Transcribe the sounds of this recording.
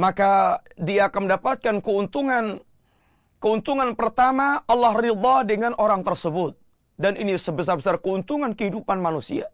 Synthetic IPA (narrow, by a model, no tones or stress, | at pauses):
makadiaːkanməndapat̪̚kankəunt̪uŋan | kəunt̪uŋanpərt̪amaʔɑlːɑhrid̪ˤɑdəŋanʔoɾaŋt̪ərsəbʊt̪̚ | danʔinisəbəs̬arbəsarkəunt̪uŋankəɦidupanmanusḭa̰